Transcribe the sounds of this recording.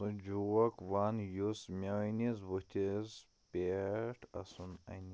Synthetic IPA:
ũd͡ʒuwɐkwaːnjusmʲanizbut̪ʰez | peʈʰɐsunɐ̰ni

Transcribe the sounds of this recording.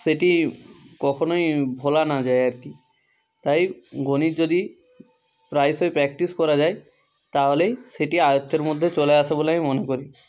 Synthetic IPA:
seʈikɔkʰonojbʱolanad͡ʑajaɾki | t̪ajɡonid͡ʒod̪i | pɾajsojpɾɛk̚ʈiskɔɾad͡ʑaj | t̪aɦoleseʈiajot̪ːeɾmod̪ʱːet͡ɕɔleasʰeboleamimonekoɾi

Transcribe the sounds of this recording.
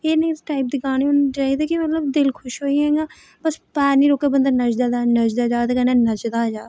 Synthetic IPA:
eːnẽːʈaːɪp̚d̪iɡaːneʊnd͡ʒaːiːd̪eːkɪmət̪ləbd̪ɪlkʰʊʃɦoːiɦɛ̃ɡaː | bəspɛːnĩːɾoːkeːbənd̪anəd͡ʒd̪aːd̪anəd͡ʒd̪aːd͡ʒaːt̪ːkənɛːnəd͡ʒd̪aːd͡ʒaː

